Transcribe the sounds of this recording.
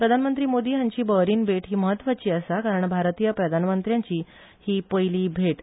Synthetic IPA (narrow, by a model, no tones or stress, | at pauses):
pɾəd̪ʱanmənt̪ɾiːmod̪iːɦjãɲt͡ɕiːbəɾiːnbʱeʈɦiːməɦət̪ːʋat͡ɕiːəsakaɾəɳbʱaɾt̪ijəpɾəd̪ʱanmənt̪ɾjãɲt͡ɕiː | hiːpəjliːbʱeʈ